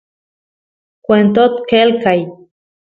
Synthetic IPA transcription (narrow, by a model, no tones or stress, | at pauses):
kʷent̪ot̪kelkaj